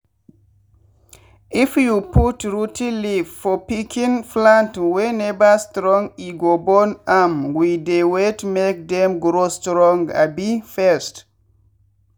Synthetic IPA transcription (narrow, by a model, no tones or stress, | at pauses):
ʔifjuputɹutʰilivfɔpikʰĩnflãntwɛnɛbastɾɔ̃ŋɡiɡɔbɔnamwidewetmek̚dɛmɡɾostɾɔ̃ŋɡa̰bifɛst